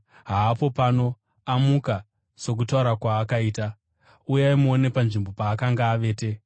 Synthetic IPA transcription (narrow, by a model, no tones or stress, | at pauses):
ɦaːpo̞pano̞ | amuka | so̞k̬utauɾakwaːkaiːta | ujaimuone̞panʐimbo̞paːkaŋɡaːʋe̞ːte̞